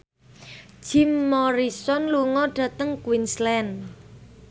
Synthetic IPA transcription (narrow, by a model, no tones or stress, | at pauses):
ʒ̥imːɔɾisɔnluŋɔɖ̥ä̤t̪əŋkwinslɛn